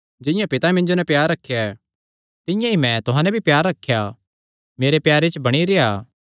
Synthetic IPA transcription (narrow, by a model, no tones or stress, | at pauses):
d͡ʒɪ̃jãpɪt̪amɪ̃nd͡ʒonɛ̃pjaːɾɐkʰːjaɛ | t̪ɪ̃jãimɛ̃t̪ʊɦãːnɛbʱipjaːɾːɐkʰːja | meːɾepjaːɾet͡ʃbɐɽ̃iɾejaː